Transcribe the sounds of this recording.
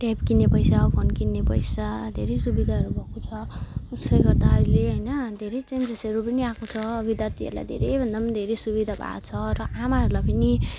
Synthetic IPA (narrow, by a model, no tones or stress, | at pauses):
ʈapkinepʌjsapʰonkinːepʌ̰jsad̪ʱeɾejsubid̪ʱaɦʌɾubʱʌkot͡sʰʌusʌjɡʌrd̪aɦʌɾileɦʌjnʌd̪ʱeɾet͡send͡zʌsʌɾupʌniakot͡sʰʌbid̪jat̪iʌ̰ɾla̰jd̪ʱḛɾejbʱʌnd̪amd̪ʱeɾesubid̪ʱabʱa̰t͡sʰʌɾʌʔamaɦʌɾulajpʌni